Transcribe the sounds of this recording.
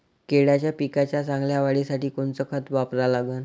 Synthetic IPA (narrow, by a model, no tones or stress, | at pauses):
keɽjat͡ɕjapikat͡ɕjat͡sãŋɡljaʋaɽisaʈiːkont͡səkʰət̪ʋapɾalaɡən